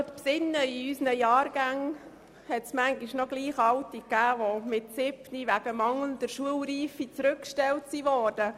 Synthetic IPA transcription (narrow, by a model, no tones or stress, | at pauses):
tpsɪnːəiysnəjɑːɾɡ̥æŋ | hɛtsmæŋɡiʃnɔɡ̥liːχɑltikːæːʋomɪtsɪbniʋæɡəmɑŋlnd̥əɾʃuəlɾiːfit͡sɾʉkːʃtɛltsiʋɔːd̥ə